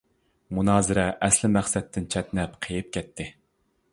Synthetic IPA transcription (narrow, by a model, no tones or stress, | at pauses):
munɑːzɨɾɛʔɛslɪmæχsɛt̪ʰːɪnt͡ʃʰɛt̪nɛpqʰejɪp̚kʲʰɛt̪ʰːɪ